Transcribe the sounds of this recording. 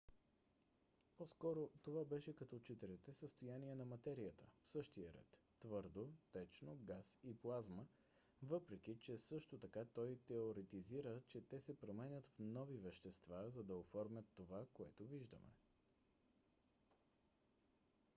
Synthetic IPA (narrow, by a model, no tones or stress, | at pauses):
pɔskɔɾot̪ovabɛʃɛkɐt̪ɔt͡ʃɛt̪ɛɾɛt̪ɛsəst̪ojaniɛnɐmɐt̪ɛɾiət̪əfsɤʃt̪ijəɾɛ̰t̪ːvɤɾd̪ot̪ɛt͡ʃnoɡasiplˠazmə | vɤpɾɛk̟it͡ʃɛsɤʃt̪ot̪ɐkat̪ɔjt̪ɛoɾɛt̪iziɾət͡ʃɛt̪ɛsɛpɾomɛnʲət̪fnɔvivɛʃt̪ɛst̪vazɐd̪ɐofɔɾmʲjət̪ːovakoɛ̰t̪oviʒd̪ə̰mɛ̰